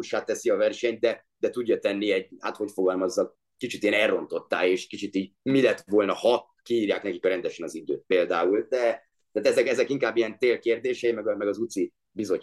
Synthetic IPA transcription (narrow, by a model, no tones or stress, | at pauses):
uʃaːt̪ːɛsiɒvɛrʃɛɲt̪̚d̪ɛ | d̪ɛt̪uɟːɒt̪ɛnːiɛɟha̰ːt̪ho̞cfo̞ɡɒlmɒzːɒk̚ | kit͡ʃit̪ijɛnɛrːo̞nt̪o̞t̪ːa̰ːleːʃkit͡ʃit̪iːɟmilɛt̪ʋo̞lnɒhɒ | kiiːɾjaːknɛkikɾɛnd̪ɛʃɛnɒzid̪ø̰ːt̪̚peːld̪aːuld̪ɛ | t̪aːt̪ɛzɛkɛzɛkiŋkaːbːijɛnt̪eːlkeːrd̪eːʃɛimɛɡɒmɛɡɒzut̪si | bizo̞